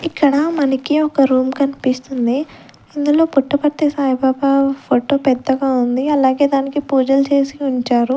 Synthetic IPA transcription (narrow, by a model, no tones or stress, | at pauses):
ikːɐɽɐmɐnɐkiɔkɐɾuːmkɐnipist̪und̪i | ind̪ulo̞ːpuʈːɐpɐɾt̪eːsaːjɐbaːbapʰoːʈo̞ːpɛd̪ːɐɡaːund̪iɐlaːɡe̞ːd̪aːnikipuːd͡ʒɐlt͡ʃe̞ːsiuɲt͡ʃaːɾu